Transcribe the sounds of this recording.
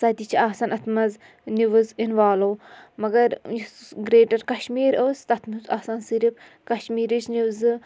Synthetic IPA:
sɐd̪it͡ʃʰiaːsɐnɐt̪ʰmɐz | niʋuzinʋaːlowmɐɡɐɾjisɡɾeːʈɐɾkɐʃmiːɾoːst̪ɐt̪ʰmuzaːsɐnsiɾip | kɐʃmiːɾit͡ʃʰniwzɨ

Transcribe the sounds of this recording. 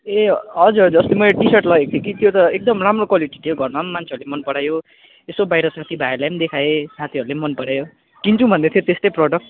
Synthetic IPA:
eɦʌd͡zurd͡zʌst̪emʌʈisʌʈlʌɡek̚t̪ʰikit̪ʰjot̪ʌek̚d̪ʌmramrokwaliʈi̥t̪ʰijoɡʱʌrmamːant͡sʰeʌɾulemʌnpʌɽajo | esobajɾʌsat̪ʰibʱajelamd̪ekʰajesʰat̪ʰiʌɾulemʌnpʌɽajo | kint͡sʰũbʱʌnd̪et̪ʰjot̪est̪ʌjprɔɖʌk̚

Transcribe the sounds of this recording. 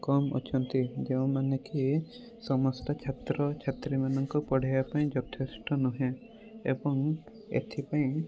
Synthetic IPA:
kɔmo̰t͡ʃʰɔnt̪id͡ʒeũmaneki | sɔmɔst̪ɔt͡ʃʰat̪ɾɔt͡ʃʰat̪ɾimanɔŋkupɔɽ̤ajapaĩd͡ʒɔt̪ʰesʈɔnuɦẽ | ḛbɔŋ | ḛt̪ʰipaĩ

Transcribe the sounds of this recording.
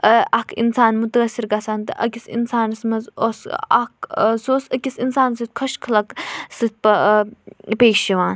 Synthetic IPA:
əɐkʰḭnsaːnmut̪əɐsiɾɡasaːnt̪ɨ̰ʔɐ̰kʲisḭnsaːnsmɐzosɐksoːsɐkʲisinsaːnsɨt̪̚ʲkʰɐʃkʰɐlɐksɨt̪̚pɐ | peːʃiʋaːn

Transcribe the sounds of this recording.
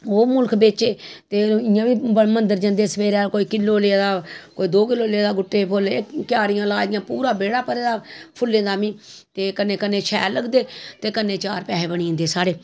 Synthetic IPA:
oːmʊlkʰbeːt͡ʃeːt̪eːɪãːʋiːmənd̪əɾd͡ʒə̃nd̪eːsəʋeːɾeaːlkoːiːkɪlːoːleaːd̪aːkoːiːd̪oːkɪloːleːd̪aːɡʊʈːeːpʰʊlekɪjaːɾɪjãːlaːd͡ʒɪjãːpuːɾaːbeːɽaːpəɾeːd̪aːpʰʊlːẽːd̪aːmĩːt̪eːkənːeːkənːeːt͡ʃʰɛːləɡd̪eːt̪eːkənːẽːt͡ʃaːɾpɛːɦeːbəɽĩːnd̪eːsaːɽeː

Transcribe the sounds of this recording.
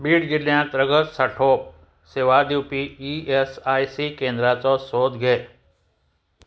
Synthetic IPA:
biːɽɡɪljãt̪ɾəɡət̪səʈʰoːp̚ | seʋad̪ipiiesaːisikẽːnd̪ɾat͡sɔsoːd̪ɡʱeː

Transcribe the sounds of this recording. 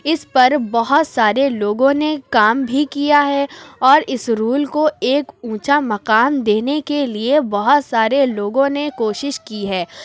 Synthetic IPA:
ɪspɐɾbɐɦʊt̪saːɾeloːɡõnekaːmbʱikijaɦɛɔːɾɪsɾuːlkoeːkũːt͡ʃamɐqaːmd̪eːnekeliebɐɦʊt̪saːɾeloːɡõnekoːʃɪʃkiɦɛː

